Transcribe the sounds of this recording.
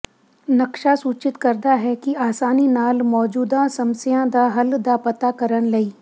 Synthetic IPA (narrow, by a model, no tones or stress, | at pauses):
nɐkʃasuːt͡ʃɪt̪kɐɾd̪aɦɛkiaːsaːninaːlmɔːd͡ʒuːd̪ãsɐmsijãd̪aɦɐld̪apɐt̪akɐɾənlɐiː